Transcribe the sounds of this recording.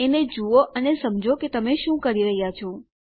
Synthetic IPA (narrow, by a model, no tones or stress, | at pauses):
ened͡ʒuoʔənesəmd͡ʒʱoket̪əmeʃũkəɾiɾəɦijat͡ʃʰo